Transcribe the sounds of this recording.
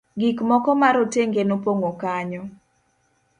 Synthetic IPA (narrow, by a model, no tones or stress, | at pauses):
ɡikmɔkɔmaɾoteŋɡenopoŋokaɲɔ